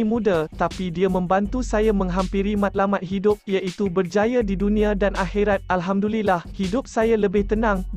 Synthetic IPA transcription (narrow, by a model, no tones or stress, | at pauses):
mũdat̪apidiamə̃mbant̪usajamə̃ŋɦampiɾimãt̪̚lamat̪̚ɦidʊp̚jaʔit̪ubərd͡ʒajadidunĩadanaxiɾat̪̚ʔalɦamdulilahhidʊp̚sajaləbɪht̪ənãŋ